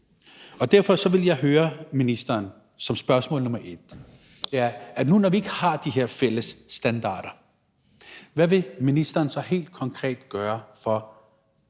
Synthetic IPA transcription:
ɒ̽d̥æɐ̰fɒ̽sɒ̽ʋe̝ljɑ̈ɪɦøːɐminisd̥ɐːn | sɒ̽msb̥ɶɐsmɔ̰̽ːlnɔ̽mɐʔe̝d̥ | d̥e̝æɐʔænunɒʋie̝ɡ̥əhɑ̈d̥iɦeɐ̰fel̰əsːd̥ænd̥ɑ̰̈ːɾ̥ɐ | ʋæʋe̝minisd̥ɐːnsɒ̽he̝̰ːld̥̚kʰɒ̽ŋkʰʁɛ̰ːd̥ɡ̥ɶːɐfɒ̽

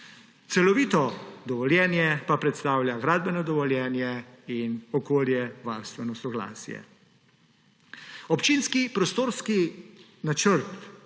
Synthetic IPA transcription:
t̪sɛlɔʋiːt̪ɔd̪ɔʋɔljɛːnjɛpapɾɛt̪st̪aːwlʲjaɡɾaːd̪̚bɛnɔd̪ɔʋɔljɛːnjɛinɔkoːljɛʋaɾst̪ʋɛnɔsɔɡla̰ːsjɛ̰ | ɔpt͡ʃinskipɾɔst̪oːɾski | nat͡ʃəɾt̪

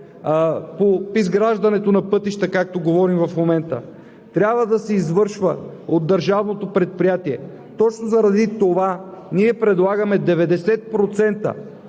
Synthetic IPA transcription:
popizɡɾaʒd̪ɐnɛt̪onɐpɤt̪iʃt̪əkak̚t̪oɡovɔɾimvɐfmomɛnt̪ə | t̪ɾʲabvəd̪ɐsɛizvɤɾʃvə | od̪dːɐɾʒavnot̪opɾɛt̪̚pɾijat̪iɛ | t̪ɔt͡ʃnozɐɾɐd̪it̪ovaniɛpɾɛd̪lˠaɡɐmɛd̪ɛvɛd̪ɛsɛt̪̚pɾot̪sɛnt̪ə̰

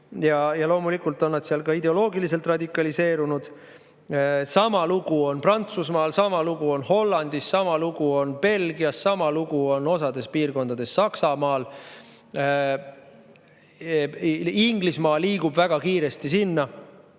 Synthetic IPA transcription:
jɑjɑlo̞ːmulikːˑult̪ːˑo̞nːɑd̪siɑlkɑid̪e̞o̞lo̞ːɡilise̞lt̪rɑd̪ikːˑɑlise̞ːɾunud̪̥ | sɑmɑluɡ̥uo̞nprɑnt̪susmɑːlsɑmɑluɡ̥uo̞nho̞lːɑnd̪̥isːɑmɑluɡ̥uo̞npe̞lɡ̥iɑsːɑmɑluɡ̥uo̞no̞sɑd̪e̞spiːrko̞nd̪ɑd̪̥e̞sːɑksɑmɑːl | iŋɡlismɑːlːiːɡ̥ub̥væɡ̥ɑkiːɾe̞st̪isinːɑ

